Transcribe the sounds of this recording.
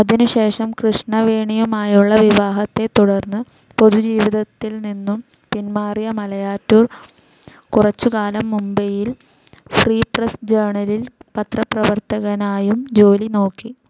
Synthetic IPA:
ɐðinuɕe̞ːʂɐmkrɨʂɳɐʋeːɳijɐmaːjuɭːɐʋiʋaːɦɐt̪ːe̞t̪ːuɽɐrnːɨ | po̞ðud͡ʑiːʋiðɐt̪ːilninːum | pinmaːrjɐmɐlɐjaːtːuːr | kurɐt͡ɕːukaːlɐmːumbɐjil | friːprɐsd͡ʑeːɳɐlilpɐt̪rɐprɐʋɐrt̪ɐɣɐnaːjumd͡ʑo̞ːlino̞ːkːi

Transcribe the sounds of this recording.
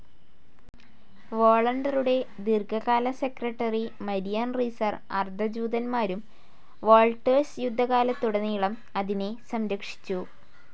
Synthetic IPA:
ʋoːɭɐɳɖɐruɽe̞ | d̪irkʰɐɣaːlɐse̞krɐʈːɐrimɐɾijaːnrisɐr | ɐ̰rd̪ʱɐd͡ʑuːd̪ɐnmaːɾum | ʋo̞ːlʈɐːsjud̪ʱːɐɣaːlɐt̪ːuɽɐnːijiɭɐm | ɐðine̞sɐmɾɐkʂi̥t͡ɕːu

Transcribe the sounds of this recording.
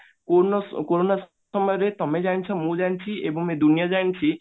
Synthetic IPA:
koɔkoɾonas | ɔmɔjɔɾet̪ɔmed͡ʒant͡ʃʰɔmũd͡ʒant͡ʃʰiebɔŋmẽd̪unijad͡ʒant͡ʃʰi

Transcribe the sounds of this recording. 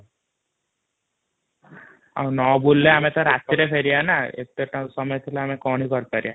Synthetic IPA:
a̰w̃nɔbulːeamet̪ɔɾat̪iɾepʰeɾianaḛt̪eʈãsɔmɔjɔt̪ʰileamekɔɽ̃ikɔɾpaɾia

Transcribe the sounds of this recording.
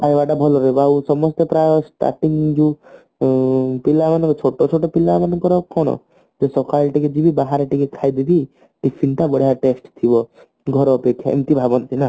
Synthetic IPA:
pajbaʈabʱɔlɔɾebausɔmɔst̪epɾajɔsʈa̰ɾʈiŋd͡ʒu | pilamanɔkt͡ʃʰoʈɔt͡ʃʰoʈɔpilamanɔkɔɾɔkɔɽ̃ɔ̰ | d͡ʒesɔkʰaɭʈiked͡ʒibibaɦaɾeʈikekʰajd̪ib̪i | ʈipʰinʈabɔɽ̤ijaʈesʈt̪ʰibɔ | ɡʱɔɾɔːpekʰːja̰ḛmt̪ibʱabɔnt̪ʰina

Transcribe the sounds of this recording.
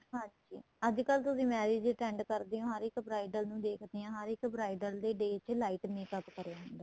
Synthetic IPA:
ɦãːɲd͡ʒiː | əd͡ʒkəlt̪ʊsĩːmɛːɾeːd͡ʒʈɛːɳɖkəɾd̪eːõːɦəɾɪkbɾaːɪɖəlnũːd̪eːkʰd̪eːãːɦəɾɪkbɾaːɪɖəld̪eːɖeːt͡ʃlaːɪʈmeːkəkːəɾeaːɦʊnd̪aː

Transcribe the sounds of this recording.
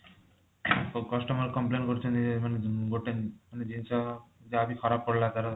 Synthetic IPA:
kɔʃʈɔmoɾkɔmplenkoɾet͡ɕʰend͡ʑeemaneɡoʈenmaned͡ʑint͡ʃʰad͡ʑeabikʰɔɾapːoɽlat̪aɾa

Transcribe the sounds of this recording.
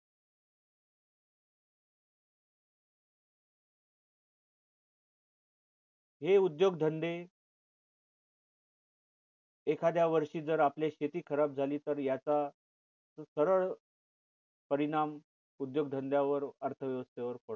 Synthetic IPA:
ɦeud̪joɡ̚d̪ʱənd̪e | ekʰad̪jaʋəɾʂiːd͡zəɾapljaɕet̪iːkʰəɾab̚d͡zʱaliːt̪əɾjat͡sa | səɾəɭ | pəɾiɽ̃am | ud̪joɡd̪ʱənd̪jaʋəɾəɾt̪ʰəʋjəʋəst̪eʋəɾpəɽ

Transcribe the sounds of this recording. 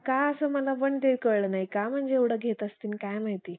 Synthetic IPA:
kaəsəməlapəɳt̪ekəɭɭənaɦikam̤əɳd͡zeːʋɽəɡʱet̪əst̪inikajmaɦit̪i

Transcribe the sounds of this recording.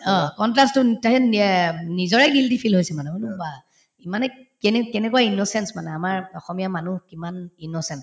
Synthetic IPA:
ɔ̃kɔntɹastʊtaɦɛɛnizɔɹɛɡiltipʰilɦojsɛmanɛulʊba | imanɛkɛnkɛnɛkuwainɔsɛnsmanɛamaɹɔxɔmijamanuhkimaninɔsɛns

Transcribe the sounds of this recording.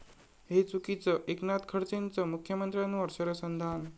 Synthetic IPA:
ɦet͡sukit͡səʔeknat̪kʰəɽt͡sent͡səmukʰːjəmənt̪ɾʲjanːũəɾɕəɾjəsənd̪ʱan

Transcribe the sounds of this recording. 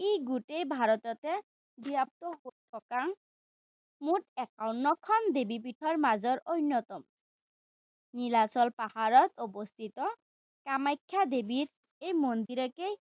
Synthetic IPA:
ejɡuʈejbʱaɾɔt̪ɔt̪e | d̪ʱiap̚t̪ɔɦojt̪ʰɔkaŋ | muʈɛkawnːɔkʰɔnd̪ebip̬iʈʰɔɹmazɔɾojnːɔt̪ɔm | nilasɔlpahaɾɔt̪ɔbost̪ʰit̪ɔ | kamajkʰːad̪ebiɾ | ejmond̪iɾɔkej

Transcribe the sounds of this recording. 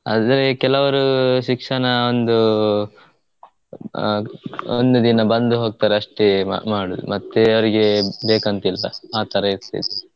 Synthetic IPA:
a̰ːd̪ɐɾekɛlɐʋɐɾuʃikʂɐɳɐo̞nd̪u | ond̪ud̪inɐbɐnd̪uɦoːɡ̚t̪aːɾeɐʂʈḛmaːɽud̪ṵmɐt̪ːeɐʋɐɾiɡe̞beːkɐnt̪ilːɐ̰aːt̪ɐɾɐiɾt̪ḭd̪e

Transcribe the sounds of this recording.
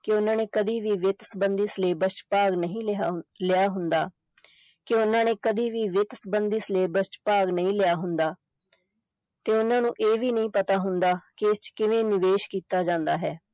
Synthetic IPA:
kɪʊnãːneːkəd̪iːʋiːʋɪt̪səbənd̪isleːbəst͡ʃpaːɡnəɦĩːlɪjaːɦʊnd̪aː | kɪʊnːãːneːkəd̪iːʋiːʋɪt̪səbənd̪iːsleːbəst͡ʃpaːɡnəĩːlɪjaːɦʊnd̪aː | t̪eːʊnːãːnũːʔeːʋiːnəĩːpət̪aːɦʊnd̪aːkɪɪst͡ʃkɪʋẽːnɪʋeːʃkiːt̪aːd͡ʒãːnd̪aːɦɛː

